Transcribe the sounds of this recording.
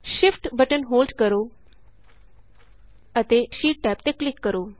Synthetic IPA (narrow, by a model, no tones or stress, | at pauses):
ɕifʈbəʈənɦoːlɖkəɾo | ət̪eɕiːʈ̚ʈɛpt̪eklikːəɾo